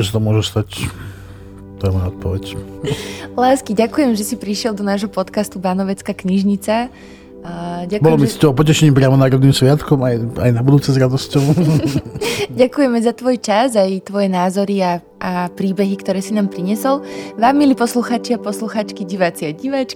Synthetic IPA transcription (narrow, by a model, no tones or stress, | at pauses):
ʒɛsat̪ɔmʊɔʒɛst̪ac | t̪ɛmaɔt̪̚pɔʋɛc | laːskiɟakujɛmʒɛsipɾiʃɪɛld̪ɔnaːʒɦɔpɔt̪kast̪ubanɔʋɛt͡skakɲiʒɲit͡sa | ɟabɔlɔmisit̪ɔɔpɔcɛʃɛɲiːp̬ɾɪamɔnaːɾɔd̪niːmsʋɪat̪kɔmaja̰jnabud̪uːt͡sɛzɾad̪ɔscɔʊ | ɟakujɛmɛzat̪ʋɔjt͡ʃazajt̪ʋɔjɛnaːzɔɾia | ʔapɾiːbɛɦikt̪ɔɾɛːsinaːmpɾiɲɛsɔlʋaːmːiliːpɔsluxaːt͡ʃiapɔsluxaːt͡ʃkiɟiʋat͡siaɟiʋat͡ʃki